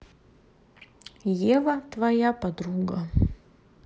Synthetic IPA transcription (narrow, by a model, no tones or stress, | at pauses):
jevɐt̪vɐjapɐd̪ɾuɡɐ